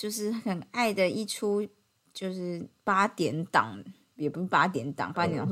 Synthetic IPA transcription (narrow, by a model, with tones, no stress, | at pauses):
t͡ɕjo˥˧ʊʂ̬ɻ̩˥˩xə˨˩na˥˩ɪd̪ə˨i˥˩ʈ͡ʂʰu˦ | t͡ɕjo˥˧ʊʂɻ̩˥˩pa˥t̪jɛ˨˦nt̪ɑ̰˨˩˦ŋ | jɛ˨˩pu˧˦ʂ̩˥˩pa˦˥t̪̬jɛ˧˦nt̪ɑ̰˨ŋpa˥t̪i˨n˨˩